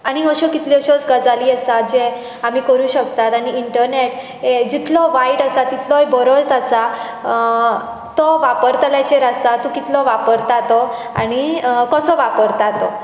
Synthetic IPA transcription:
aɽ̃iəɕɔkit̪liəɕɔt͡sɡəd͡zaliːəsat̪d͡ʑe | amiːkəɾuːɕək̚t̪at̪aɽ̃iːɳʈəɾneʈ | ed͡ʑit̪lɔʋaiɽəsat̪it̪ʰlɔjbɔɾɔt͡sasa | t̪ɔʋapəɾt̪lat͡ɕeɾast̪at̪ɔkit̪lɔʋapəɾt̪at̪ɔañikəsɔʋapəɾt̪at̪ɔ

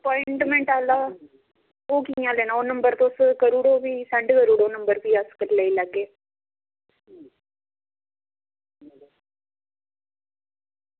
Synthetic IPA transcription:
əpɔːɪɳʈmẽːɳʈaːlaː | oːkijãːleːnãːoːnəmbəɾt̪oːskəɾuːɽoːʋiːsəɳɖkəɾuːɽoːnəmbəɾpiːaskəʈləilaɡeː

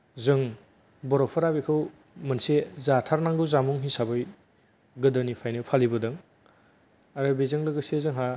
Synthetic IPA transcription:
zɯŋ | bɔɾɔpʰɔɾabekʰɯw | mɐnsezatʰaɾnaŋɡɯwzamuŋɦisabɯj | ɡɯdɯnipʰajnɯwpʰalibɯdɯŋ | aɾɯbezɯŋlɯɡɯsezɯŋɦa

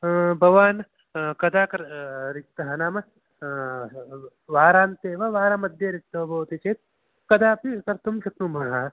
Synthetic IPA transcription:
bʱɐʋaːn | kɐd̪aːkɐɾɾɪk̚t̪ɐɦɐnaːmɐ | ʋaːɾaːnt̪eːʋɐʋaːɾamɐd̪ʱjɐɾɪk̚t̪ɐɦɐbɐːt̪it͡ʃeːt̪̚ | kɐd̪aːpikɐɾt̪umʃɐk̪numɐɦɐ

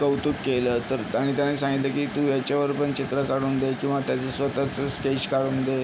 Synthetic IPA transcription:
kəwt̪ukːelət̪əɾaɽ̃it̪janasãŋɡit̪ləkiːt̪ũːjat͡ɕaʋəɾpəɳt͡ɕit̪ɾəkaɽuːnd̪ekĩw̃ʋat̪jat͡sesʋət̪at͡səskeɕkaɽuːnd̪e

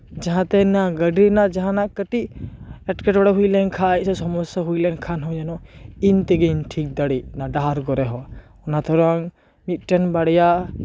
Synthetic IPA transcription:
d͡ʒaɦãt̪ɛnaɡəɖinaʔd͡ʒaɦãnaʔkəʈiʔɛʈkɛʈɔɽaɦujlɛnkʰasɔsɔmɔsaɦujlɛnkʰanɦɔd͡ʒanɔint̪ɛɡɛiɲʈʰik̚d̪aɽinaɖaaɾɡɔɾɛɦɔ | ɔnat̪ʰɔɾaŋ | mit̪̚ʈɛnbaɽɛja

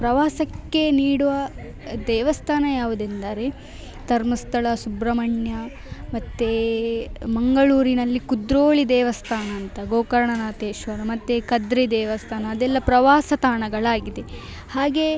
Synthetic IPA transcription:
pɾɐʋaːsɐkːe̞niːɽuʋɐ | d̪ɛːʋɐst̪ʰaːnɐjaːʋud̪end̪aːɾe | t̪ɐɾmɐst̪ʰɐɭɐsubɾɐmɐɳjɐ | mɐt̪ːe | mɐŋɡɐɭuːɾinɐlːikud̪ɾoːɭid̪ɛːʋɐst̪ʰaːnɐːnt̪ɐɡoːkɐɾɐɳɐnaːt̪eːʃʋɐɾɐmɐt̪ːekɐd̪ɾed̪ɛːʋɐst̪ʰaːnɐːd̪ɛlːɐpɾɐʋaːsɐt̪aːɳɐɡɐɭaːɡid̪e̞ | haːɡe̞

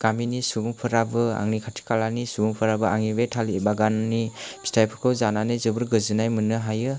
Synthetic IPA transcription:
ɡ̥aminisuɡuŋpʰɯɾabɯa̰ŋnikʰatʰi̥kalanisuɡuŋpʰɯɾabɯaŋibetʰalibaɡannib̥ʰi̥stʰajpʰɯɾkʰɯwzananɯzɯbɯɾɡɯzɯnajmɯnɯɦajɯ

